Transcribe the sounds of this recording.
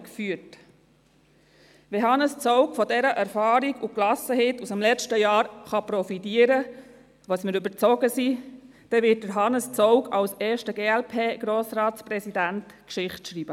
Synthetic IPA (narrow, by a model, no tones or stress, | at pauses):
kfyət | ʋɛɦɑnəst͡sɔʊkfɔdɛɾəʔæɾfɑːɾiɡuklɑsəɦɛtusəmlɛt͡ʃtəjɑːɾχɑpɾɔfitiəɾə | ʋɑsməɾybəɾt͡sɔɡəsi | d̥ɛʋɪt̚d̥əɾɦɑnəst͡sɔʊkɑwsɛːʃtəɡeːɛlpʰeːɡ̥ɾoːsɾɑːtspɾɛsidæntkʃɪχtʃɾiːb̥ə